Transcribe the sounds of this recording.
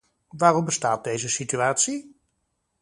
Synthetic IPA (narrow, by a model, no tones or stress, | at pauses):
ʋaːrɔmbəstaːt̚dejzəsityaːtsi